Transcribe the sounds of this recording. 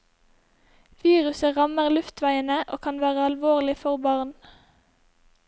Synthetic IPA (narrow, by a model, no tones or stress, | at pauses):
ʋiːʁʉsəʁɑməʁlʉft̪ʰʋæɪənəʔo̰ːkʰɑnʋæːʁəɑlʋoːʁlɪfɔʁbɑʁn